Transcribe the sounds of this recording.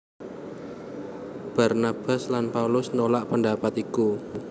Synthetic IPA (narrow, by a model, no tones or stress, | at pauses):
b̥a̤rnab̥a̤slanpaulʊsnolaʔpəndapat̪iku